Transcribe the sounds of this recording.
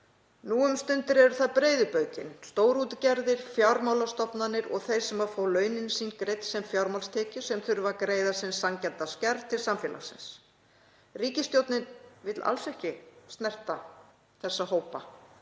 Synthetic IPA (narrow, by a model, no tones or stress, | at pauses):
nuːʏmst̪ʏnt̪ɪɾɛɾʏɾθaðpɾeːjðʏpœːɥcɪ̰nst̪oːwɾuːt̪ɪcɛɾðɪɾ̥fjawɾmawlast̪ɔpnanːɪɾɔ̰ɣθejɾ̥sɛmafaːwlœːɥnɪnsiːnkɾejt̪sɛmfjawɾmalst̪ʰɛːcʏsɛmθʏɥɾʏvakɾeːjðḁsɪnsːaŋcɛnt̪ascɛɾðt̪ʰɪlsamfjɛːla̰̥sɪ̰ns | riːcɪst̪jowt̪nɪnvɪt̪la̰lsɛhcɪst̪nɛr̥t̪a | θɛsːahoːwpa